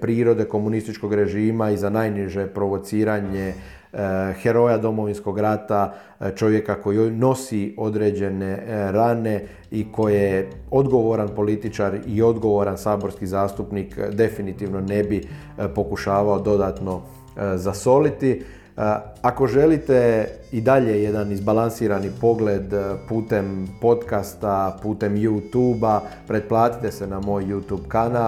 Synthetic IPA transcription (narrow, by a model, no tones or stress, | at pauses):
pɾiːɾo̞d̪e̞ko̞munist̪it͡ʃko̞ɡɾe̞ʒiːmaizanajniʒe̞pɾo̞ʋo̞t̪siːɾaɲe | xe̞ɾo̞jad̪o̞mo̞ʋinsko̞ɡɾat̪a | t͡ʃo̞ʋje̞kako̞jiino̞sio̞d̪ɾeːd͡ʑe̞ne̞ɾane̞ | iko̞je | o̞d̪ɡo̞ʋo̞ɾanpo̞lit̪it͡ʃaːɾio̞d̪ɡo̞ʋoɾansaːbo̞ɾskizaːst̪upnikd̪e̞finit̪iːʋno̞ne̞bi | po̞kuʃaːʋao̞d̪o̞d̪aːt̪no̞ | zaso̞lit̪i | ako̞ʒe̞lit̪e̞id̪aʎe̞je̞d̪anizbalansiːɾanipo̞ɡled̪puːt̪e̞mpo̞t̪kast̪apuːt̪e̞mjut̪uːbapɾe̞d̪̚plˠaːt̪i̥t̪e̞se̞namo̞ːjːut̪uːbkana